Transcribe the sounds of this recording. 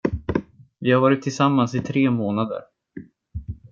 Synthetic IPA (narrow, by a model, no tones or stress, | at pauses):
vɪhaɾvɑːɾɪt̪ʰːɪlsamːansɪt̪ʰɾeːmoːnad̪ə̰ɾ